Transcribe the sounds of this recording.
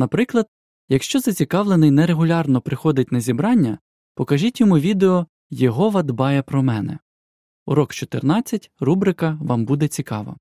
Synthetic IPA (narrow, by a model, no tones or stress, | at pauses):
nɐpɾɪklˠɐd̪̚ | jɐkʃt͡ʃɔzɐt͡sʲikɑʋlˠenɪjnɛɾeɦʊlʲɑrnɔpɾɪxɔd̪ɪtʲnɐzʲibɾɑnʲːɐ | pɔkɐʒitʲjɔmuʋʲid̪eɔ | jɔɦɔʋɐd̪bɑjɛpɾɔmɛnɛ̰ | uɾɔkt͡ʃɔt̪ḛrnɑt͡sʲːɐtʲrubɾɪkɐʋɑmbud̪ɛt͡sʲikɑ̰ʋɐ̰